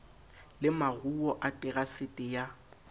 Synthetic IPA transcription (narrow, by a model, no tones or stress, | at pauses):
lɪmaruɔʔatʼɪɣasɪtʼɪja